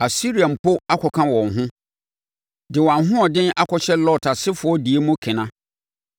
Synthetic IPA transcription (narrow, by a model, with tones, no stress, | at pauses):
a˨si˦ɾi˨a˨m˨pʰʊ˦a˦kʰɔ˨kʰã˦wɔ̃˨ŋɦʊ̃˦ | dɪ˨wã˨nɦʊ̃˦ɔ˨dɪ̃˦nʔa˦kʰɔ˨ɕɛ˦lɔ˦˨tʰa˨sɪ˦fʊ˨ɔ˦di˨e˦mũ˦kʰɪ̃˨nã˦